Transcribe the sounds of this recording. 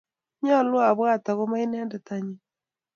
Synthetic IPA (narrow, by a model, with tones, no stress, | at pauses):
ɲɔ˦˨lwa˨βwa˦˨ta˨ɣo˦ma˦i˦nɛ˦ndɛ˨ta˦ɲi˦